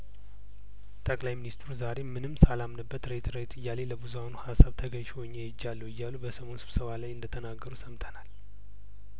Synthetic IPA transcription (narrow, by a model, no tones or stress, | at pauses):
t̪ʰʼəkʼlajminist̪ɾuzaɾemɨnɨmsalamnəbːət̪ɾet̪ʰɾet̪ʰɨjːale̞ləbuzuanuhasaβt̪ʰəɡəɲʃowɲːejɪd͡ʒːalːəwɨjːalːubəsəmo̞nsɨβ̥səβalajɨnd̪ət̪ʰənaɡːəɾusəmt̪ʰənal